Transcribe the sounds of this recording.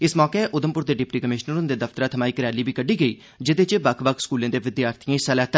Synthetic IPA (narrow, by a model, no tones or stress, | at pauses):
ɪsmɔːkeɛːʔʊd̪əmpʊɾd̪eːɖɪpʈiːkəmɪʃnəɾʊnd̪eːd̪əft̪ɾaːt̪ʰəmaːiːkəɾjaːliːbiːkəɖiːɡəiː | d͡ʒɪd̪eːt͡ʃebəkʰʋəkʰskuːlẽːd̪eːʋɪd̪ɪjaːɾt̪ʰijãːɪsəlɛːɦt̪a